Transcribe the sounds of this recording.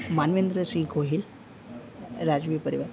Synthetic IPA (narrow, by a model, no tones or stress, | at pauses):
manʋend̪ɾəsĩɡʱoɦil | ɾad͡ʑʋipəɾiʋəɾ